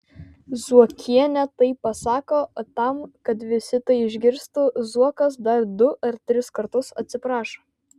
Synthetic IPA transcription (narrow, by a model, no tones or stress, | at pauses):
zuɔkʲʰiɛnʲɛt̪ɐɪpːɐsɑːkoːt̪ɐmkɐt̪ʋʲɪsʲɪt̪ɐɪɪʒʲɡʲɪɾʲst̪uːzuɔkɐs̬d̪ɐɾd̪ʊʔɐɾt̪ʲɾʲɪskɐɾt̪ʊsɐ̰t̪ʲsʲɪpɾɑːʃo